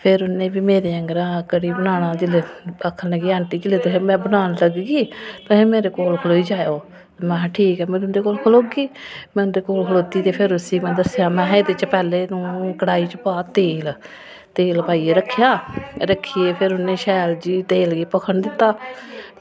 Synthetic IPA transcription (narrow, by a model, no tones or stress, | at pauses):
pʰɪɾʊnẽːbiːmeːɾeːəŋɡɾãːkəɾiːbənaːɽ̃ãːd͡ʒɪleəkʰənləɡiːə̃ɳʈ̪iːd͡ʒɪleːt̪eːmɛ̃ːbənaːnləɡɡiːt̪ãːɦeːmeːɾeːkoːlkʰəloːiːd͡ʒaːjoː | t̪amɛ̃ːʈʰiːkɛːmeːɾʊnd̪eːkoːlkʰəloːɡiːmɛ̃ʊnd̪eːkoːlkʰəloːt̪iːt̪eːpʰɪɾʊsiːmɛ̃ːd̪əsjaːmɛ̃ːed̪ɪt͡ʃpɛːleːnũːkəɽaːiːt͡ʃəpaːt̪eːl | t̪eːlpaːiːeɾəkʰːjaːɾəkʰːiːeːpʰɪɾʊnẽːʃɛːld͡ʒiːt̪eːlɡiːpəkʰəɳd̪ɪt̪ːaː